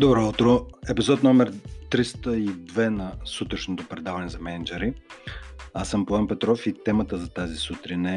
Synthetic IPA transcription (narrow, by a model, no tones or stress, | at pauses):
d̪obɾɔut̪ɾoɛpizɔt̪nɔmɛɾt̪ɾist̪əid̪vɛnɐsut̪ɾɐʃnot̪opɾɛd̪avɐnɛzɐmɛnɛd͡ʒɛɾi | asəmpoanpɛt̪ɾɔfit̪ɛmət̪əzɐt̪azisut̪ɾinɛ